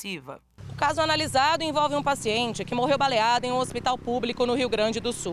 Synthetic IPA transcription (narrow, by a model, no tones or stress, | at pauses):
ivɐ̰ | ʊkazʊanalizad̪ʊẽvɔwvɪũpasiẽnt͡ʃɪkɪmoɦewbalejad̪ɐẽj̃ũospit̪awpublikʊnʊɦiwɡɾɐ̃d͡ʒɪd̪ʊsu